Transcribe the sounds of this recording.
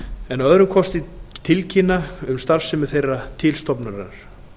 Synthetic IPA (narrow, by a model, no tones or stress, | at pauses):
ɛnaœðɾʏmkʰɔst̪ɪt̪ʰɪlcʰɪnːaʏmst̪aɾfsɛmʏ̥θejrat̪ʰɪlst̪ɔpnaɾɛnaɾ̥